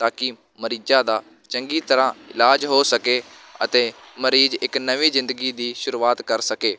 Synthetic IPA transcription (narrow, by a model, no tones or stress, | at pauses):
t̪aːkɪ | məɾiːd͡ʒãːd̪aː | t͡ʃəŋɡiːt̪əɾãːɪlaːd͡ʒɦoːsəkeː | ə̰t̪eːməɾiːd͡ʒɪknəʋiːzɪ̃nd̪əɡiːd̪iːʃʊɾuːaːt̪kəɾsəkeː